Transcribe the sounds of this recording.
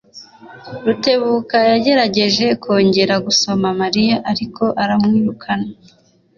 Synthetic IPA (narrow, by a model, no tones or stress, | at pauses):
ɾute̞βuːkajaɟe̞ɾaɟe̞ʒe̞kʰo̞ːɲɟe̞ɾaɡuso̞mamaɾijaʔaɾikʰo̞ʔaɾamŋiːɾukʰana